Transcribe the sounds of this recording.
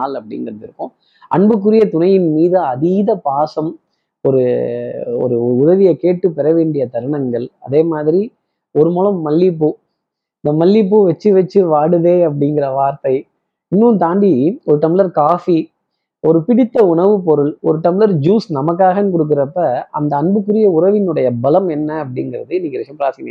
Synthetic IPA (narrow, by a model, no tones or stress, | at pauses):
aːlɐpːɐɽɪ̰ŋɡɪɾɐnɪɾɯkːʊ̃ː | ʔɐ̰ɳbɯk̬ːɯɾɪjɐt̪ʊɳɐjɪnmiːðɯɐðiːðɐpaːsɐm | ɔɾɯ | ɔ̰ɾɯʊðɐðɪjɐkeːʈːɯpːɛɾɐʋeːɳɖɪjɐt̪ɐɾɯɳɐŋɡɐɭɐ̰ðeːmaːðɪɾi | ɔɾɯmɔːlɐmːɐlːɪp̬ːɯ | ɪnd̪ɐmɐlːɪp̬ːɯʋɐt͡ʃːɯʋɐt͡ʃːɯʋaːɽɯðeːɐp̬ːɐɽɪŋɡɪrɐʋaːɾt̪ɐɪ | ɪnːunt̪aːɳɖiɔɾɯʈɐmɪlɐɾkaːfi | ɔɾɯpɪɽɪt̪ːɐʊɳɐʋɯpɔɾɯɭɔɾɯʈɐmɪlɐɾd͡ʒuːsnɐmɐk̬ːaːɣɐnːɯk̬ɔɽɯk̬ːɯɾɐpːɐɐ̰nd̪ɐːɳbɯkːɯɾɪjɐʊɾɐʋɪnɯɽɐjɐbɐlɐmɛnːɐːp̬ːɐɽɪŋɡɪrɐðɯɪniːŋkːɪɾɐʂɐmpɾaːɾsnɐ̰